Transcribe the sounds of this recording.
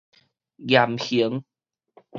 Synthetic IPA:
jja˨˩mhi˨˦ŋ

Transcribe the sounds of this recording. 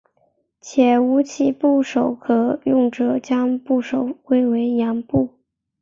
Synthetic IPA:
t͡ɕʰjɛ˨˩u˧˥t͡ɕʰi˧˩pu˥˩ʂo˨˩ʊkʰɤ˨˩˦jʊ˥˩ŋʈ͡ʂɤ˨˩˦t͡ɕjɑ˥ŋpu˥˩ʂo˨˩ʊkwe˥ɪwe˧˥ɪjɑ˧˥ŋpu˥˩

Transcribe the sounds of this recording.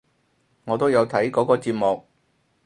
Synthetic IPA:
ŋɔː˨˧t̪o˥wjɐ˨˧wt̪ʰɐ˨˥jkɔː˨˥kɔː˧t͡siː˧p̚mʊ˨k̚

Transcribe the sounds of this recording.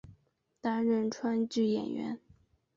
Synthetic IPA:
t̪a˥nɻə˥˧nʈ͡ʂʰwa˥nt͡ɕy˥˩jɛ̰˨˩nɥɛ̰˧˥n

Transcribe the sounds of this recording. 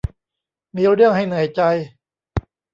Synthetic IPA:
miː˧ɾɯ˥˩əŋɦa˥˩jnɯ˨˩˦əjt͡ɕa˧j

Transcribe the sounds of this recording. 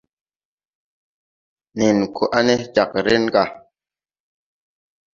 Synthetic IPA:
ne˨nkʰo˨ʔa˦ne˦d͡ʒa˨kɾe˦nɡa˦˨

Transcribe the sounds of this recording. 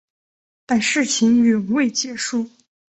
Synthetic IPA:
t̪a˥˧nʂɻ̩˥˩t͡ɕʰi˧˥ŋy˨˩u˧˥we˥˩ɪt͡ɕjɛ˨˩ʂu˥˩

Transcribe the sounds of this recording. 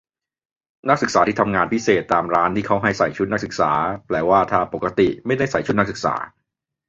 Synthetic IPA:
na˦˥k̚sɯ˨˩k̚saː˩˦t̪i˥˩t̪ʰa˧mŋaː˧npʰi˦˥seː˨˩t̪ːaː˧mɾaː˦˥nt̪ʰiː˥˩kʰa˦˥wɦa˥˩jsa˨˩jt͡ɕʰu˦˥t̪̚na˦˥k̚sɯ˨˩k̚saː˩˦plɛː˧˩waː˥˩t̪ʰaː˥˩po˨˩kːa˧t̪i˨˩ma˥˩jda˥˩jsa˨˩jt͡ɕʰt̪̚na˥k̚sɯ˨˩k̚sa̰ː˩˦

